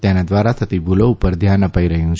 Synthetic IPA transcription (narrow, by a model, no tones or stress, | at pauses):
t̪enad̪ʋaɾat̪ʰət̪ibuloupəɾd̪ʱjanəpaiɾəɦjũt͡ʃʰ